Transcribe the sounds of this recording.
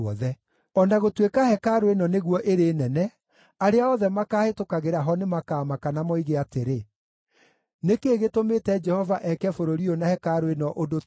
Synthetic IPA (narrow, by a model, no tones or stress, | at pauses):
ɔðɛ | ɔnaɣotwekahɛkaɾwenɔneɣwɔʔeɾeːnɛnɛ | aɾeaɔðɛmakaːhetokaɣeɾaɦɔnemakaːmakanamɔiɣeateɾe | nekeːɣetometɛd͡ʒɛhɔvaʔɛkɛfoɾoɾionahɛkaɾwenɔʔodo